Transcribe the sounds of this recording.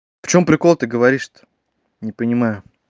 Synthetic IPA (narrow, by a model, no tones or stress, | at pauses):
pt͡ɕomːpɾʲɪko̞lˠət̪ɨɡəvɐɾʲiʂt̪ə̥ | nʲɪpənʲɪmajʊ